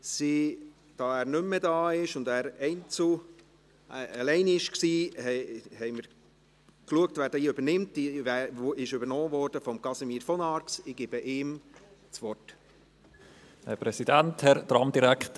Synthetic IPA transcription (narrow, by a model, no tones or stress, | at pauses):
si | d̥ɑːæːɾnʏmːədɑːɪʃʊndæːɾɛɪnt͡su | əlɛɪnɪʃksiːhɛhɛɪməɾ | kluək̚tvʋæːɾd̥ɛiːøbəɾnɪmtiæːɪʃøbəɾnɔːvɔɾd̥əfɔmkɑsemiːɾfɔnɑɾksɪɡ̥ib̥əʔɪːm | t͡sʋɔrt | hɛpɾɛsidænthɛɾd̪ɾɑmd̥iɾækt